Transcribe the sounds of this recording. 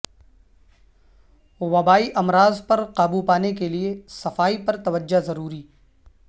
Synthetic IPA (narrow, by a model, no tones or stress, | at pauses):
ʋɐbaːiʔɐmɾaːzpɐɾqaːbupaːnekeliesɐfaːipɐɾt̪ɐʋəd͡ʒːazɐɾuːɾiː